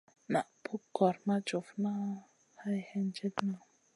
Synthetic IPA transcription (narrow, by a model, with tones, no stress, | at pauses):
na˨ʔpʰu˦kːɔ˨ɾma˦d͡ʒo˨fna˦ | ha˦jhɛ˦nd͡ʒe˦t̪na˨